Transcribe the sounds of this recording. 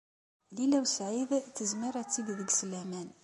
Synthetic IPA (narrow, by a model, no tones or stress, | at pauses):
lilæwsʕiðθəzməɾˤæt͡sːiɡðəɡslæmæn